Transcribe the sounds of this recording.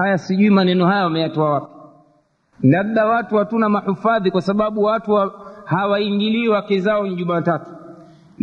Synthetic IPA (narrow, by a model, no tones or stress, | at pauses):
hajasiʄuimanɛnɔhajawamɛjatɔawapi̥ | ndaɓ̚ɗawatuhatunamahufaðikwasaɓaɓuwatuhawaiŋɡiliːwakɛzaɔn̩ʄumatatu̥ | n